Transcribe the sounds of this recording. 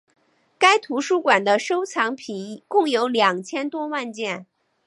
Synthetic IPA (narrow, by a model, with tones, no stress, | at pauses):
ka˥ɪt̪ʰu˧˥ʂu˥kwa˨˩nd̪ə˦ʂo˥ʊt͡sʰɑ˧˥ŋpʰi˨˩n˥˧kʊ˥˩ŋjo˧˥ʊljɑ˨˩ŋt͡ɕʰjɛ˥nt̪wɔ˥wa˥˧nt͡ɕjɛ˥˩n